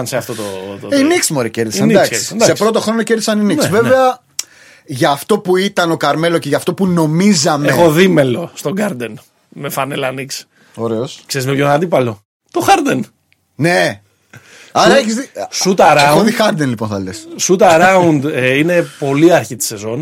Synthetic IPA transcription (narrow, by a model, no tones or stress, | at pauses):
ɐnseɐft̪ot̪oiniksmoɾece̞ɾðisend̪ɐksisnsɐespɾo̞t̪̬o̞xɾo̞noceɾðisɐninisve̞veɐ | ʝɐːft̪o̞puit̪ɐno̞kɐɾme̞loce̞ʝɐft̪opuno̞mizɐmexoðimelost̪o̞ɡɐɾd̪en | mefɐnelɐniks | o̞ɾe̞oskseɾizmepjonɐnd̪ipɐlo̞ | t̪o̞xɐɾd̪en | ne | ɐɾnɐeçizisut̪ɐɾɐoðixɐɾd̪enlipo̞nθɐlḛssut̪ɐɾɐund̪ine̞po̞liɐɾçit̪i̥se̞zo̞n